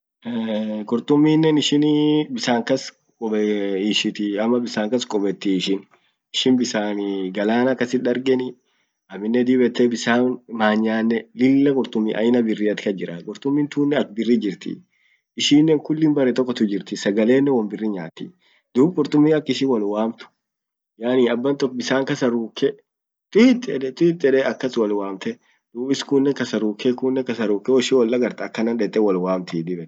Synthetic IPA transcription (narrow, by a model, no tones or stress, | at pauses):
kʼʊɾt̪ʊmːiːnːɛnɪʃɪnbɪsaːŋkɐs | kʼɔbʃɪt̪ɪɐmːɐbɪsaːŋkɐskʼɔbɛt̪ːɪɪʃɪn | ɪʃɪnbɪsaːnɡɐlaːnɐkːɐsɪɐɾɡɛnɪ | ɐmːɪnːɛd̪iːbɛt̪ːɛbɪsaːmaːɲːaːnːɛlɪlːɐkʼʊɾt̪ʼʊmːiʔɐ̰jɪnɐbɪrːiːɐt̪ɪ̥kɐd͡ʒɪɾɐkʼʊɾt̪ʊmːint̪uːnːɛɐk̚bɪrːiːd͡ʒɪɾt̪ɪ̰ | ʔɪʃiːnːeːŋkʊlːɪbɐrːɛt̪ɔkːɔt̪ʊd͡ʒɪɾt̪ɪsɐɡɐle̞ːnːɛwɐmbɪrːiɲa̰ːt̪ḭ | d̪uːb̚kʼʊɾt̪ʼʊmːiɐkːɪʃiːwɐlwaːmt̪ʊ̥ | jaːniːɐbːɐnt̪ɔkbɪsaːŋkɐsɐɾuːkːɛ | t̪ɪt̪ːɛᶑɛt̪ʼɪt̪ʼːɛᶑɛːɐkːɐswɐlwaːmt̪ɛ | d̪̥uːbɪskuːnːɛkɐsɐɾuːkʰːɛkuːnːɛkɐsɐɾuːkːɛwɔʃɪwɐlːɐɡɐɾt̪ɐkːɐnɐnᶑɛt̪ʼːɛwɐlwaːmt̪ɪd̪ɪbɛ